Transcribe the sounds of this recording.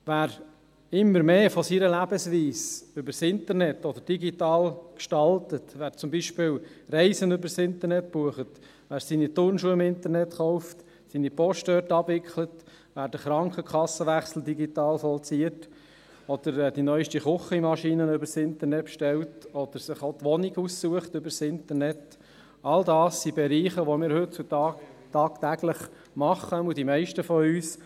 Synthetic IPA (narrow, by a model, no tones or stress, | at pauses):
ʋæːɾ | ɪmːəɾmeːfɔsiːɾəlæbəsʋiːsʏbəɾsɪnt̪əɾnɛt̪ɔd̪əɾd̥iɡitɑːlkʃtɑltətʋæːɾt͡sʊmbiʃpɪːlrɛɪsənøbəɾsɪnt̪əɾnɛtb̥uəχət | ʋæːɾsinit̪ʊrnʃuəɪmɪnt̪əɾnɛt̪χɔʊft | siːnipɔʃtœːtɑbʋɪkχlət | ʋæːɾdəχɾɑŋkχəkʰɑsːəʋæχsl̩d̪iɡit̪ɑːlfɔlt͡siːət | ɔd̥̪əɾd̥inœʏʃtiχʊχimɑʃiːnənʏbəɾsɪnt̪əɾnɛtʃtɛltɔd̪̥əɾsɪχot̪ʋɔniɡussuəχtøbəɾsɪntəɾnɛt | ɑld̪ɑːsːibɛɾiːχəʋomɪːɾhøtt͡sutɑtɑːkt̪æɡləχ | mɑχːəudimɛɪʃtəfɔyːs